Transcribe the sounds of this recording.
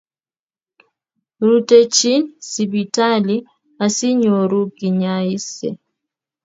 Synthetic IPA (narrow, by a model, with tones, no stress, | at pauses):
ɾu˨tɛ˨t͡ʃi˦nsi˨bi˨ta˦li˦ | a˨si˦ɲo˨ɾu˦ɡi˨ɲa˨i˦sɛ̰˨